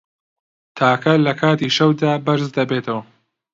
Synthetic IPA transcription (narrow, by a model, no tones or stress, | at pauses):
t̪ʰaːkʰɐlɐkʰaːt̪iːʃɐwd̪aːbɐɾzd̪ɐbeːt̪ʰɐwɐ